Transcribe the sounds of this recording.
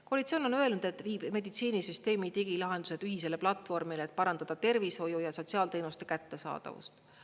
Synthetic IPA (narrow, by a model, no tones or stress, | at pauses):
ko̞lit̪sio̞ːno̞nø̞elnud̪̥e̞t̪ːˑviːbme̞d̪it̪siːnisyst̪e̞ːmit̪iɡ̥ilɑɦe̞nd̪̥use̞d̥̪yɦis̬e̞le̞plɑt̪ːˑfo̞rmileet̪ˑpɑɾɑnd̪̥ɑd̪̥ɑt̪e̞rvisho̞jujɑso̞t̪siɑːlt̪e̞ːnust̪e̞kæt̪ːe̞sɑ̰ːd̪̥ɑ̰vṵst̪